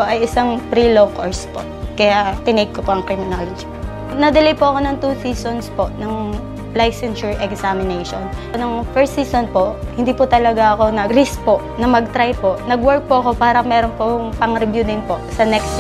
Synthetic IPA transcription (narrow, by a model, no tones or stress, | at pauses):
poʔɐjɪsaŋpɾilokoɹspo̰ | kɐjat̪ɪnɛɡ̚kopoʔɐŋkɾɪmɪnolɐd͡ʒi̥po | nɐd̪ɐlɐjpʊʔɐko̞nɐŋt̪uːsiːsonspoʔnɐŋ | lajsɛnʃɛɹʔɛksamɪnejʃonnoŋfɛɹst̪siːsonpoʔhɪ̃nd̪iːpʊt̪ɐlɐɡaʔɐko̞nɐɾɪs̚poʔnɐmɐɡ̚t̪ɾajpoʔnɐɡwɛɹk̚poɐko̞paːɾɐmɛːɾonpoŋpɐŋɾɪbjud̪ɪŋpoʔsɐnɛkst̪